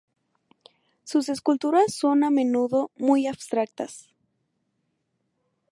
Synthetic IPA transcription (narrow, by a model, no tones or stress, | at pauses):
suse̞skult̪uɾasːo̞namenuðo̞mujaβ̥st̪ɾak̚t̪as